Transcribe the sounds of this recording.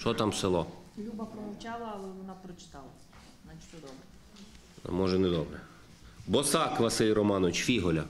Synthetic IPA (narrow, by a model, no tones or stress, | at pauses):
t͡ʃɔt̪ɑmselˠɔlʲubɐpɾɔmɔwt͡ʃɑlˠɐːlˠɛʋɔnɑpɾɔt͡ʃɪ̥t̪ɑlˠɐ | nɐʃt͡ʃɔd̪ɔbɾɛ̰ | mɔʒɛnɛd̪ɔbɾɛ | bɔsɑkʋɐsɪlʲɾɔmɑnɔʋɪt͡ʃfʲiɦɔlʲɐ